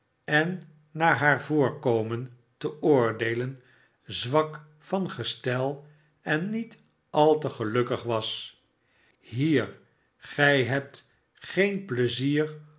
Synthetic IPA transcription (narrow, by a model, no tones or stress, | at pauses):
ɛnː | aːɹɦaːɹvʊːɹkowmən | təʊːɹdejlən | zʋɑk | fɑnχəstɛlˠ | ɛnːit | ɑlˠtəχəlɵkəχʋɑs | ɦiːɹ | χɛjɦɛp̚t | χejnpləziːr